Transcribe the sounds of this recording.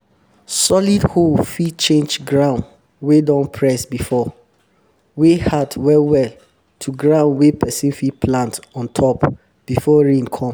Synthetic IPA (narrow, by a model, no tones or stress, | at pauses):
sɔlidholfit͡ʃẽnd͡ʒɡɹãʊ̃nd | wedɔ̃npʰɹɛsbifɔ | wehadwɛlwɛl | tʰuɡɹãʊ̃nwepʰɛsĩnfipʰlãntɔ̃ntʰɔp | b̥ifɔɹẽnkʰɔ̃m